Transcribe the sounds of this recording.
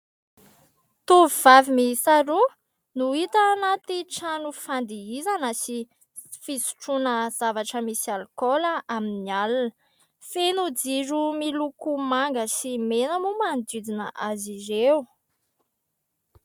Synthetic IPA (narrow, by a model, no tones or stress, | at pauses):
t̪uviv̥avimisaɾu | nuit̪anat̪iʈ͡ʂanufand̪iizanəsi | fisu̥ʈ͡ʂunəz̥avaʈ͡ʂəmisialkoləʔaminialunə | fenud͡ziɾumilukumaŋɡəsimenəmumand̪id̪inə̰ʔazizew